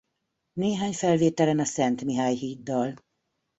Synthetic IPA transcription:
neːɦaːɲfɛlveːt̪ɛlɛnɒsɛnt̪miɦaːjhiːd̪ːɒl

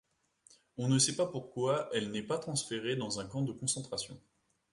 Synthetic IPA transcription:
ɔ̃nəsɛpapuʁkwaɛlnɛpat̪χɑ̃sfeʁed̪ɑ̃zɛ̃kɑ̃d̪əkɔ̃sɑ̃t̪χasjɔ̰̃

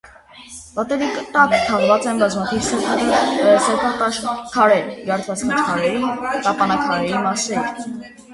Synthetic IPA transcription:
pɑt̪ɛɾikt̪ɑkt̪ʰɑʁvɑt͡sɛnbɑzmɑt̪ʰivsɛ | sɛpʰɑt̪ɑʃkʰɑɾɛɾɡɑɾt̪ʰvɑt͡sʰkʰit͡ʃʰkʰɑɾɛɾit̪ɑpɑnɑkʰɑɾɛɾimɑsɛɾ

